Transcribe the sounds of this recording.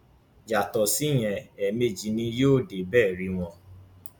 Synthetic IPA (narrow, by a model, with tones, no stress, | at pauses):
d͡ʒa˨tɔ˨si˦j̃ɛ̃˧˨ɛ˨me˦˨d͡ʒi˨nĩ˧joː˦˨de˨bɛː˦˨ɾi˧˦w̃ɔ̃˧